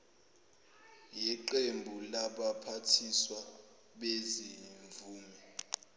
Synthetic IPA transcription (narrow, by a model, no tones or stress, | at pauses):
jɛǃembʱulaɓapʰatʰiswa | ɓeziɱvuːmɛ